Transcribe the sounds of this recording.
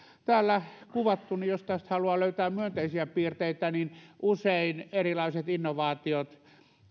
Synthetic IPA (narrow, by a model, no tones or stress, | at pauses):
t̪æːlːækuʋɑt̪ːunijost̪æst̪hɑluɑløyt̪æːmmyønt̪eisiæpiːrt̪eit̪æninʔuseinerilɑiset̪inːoʋɑːt̪iot̪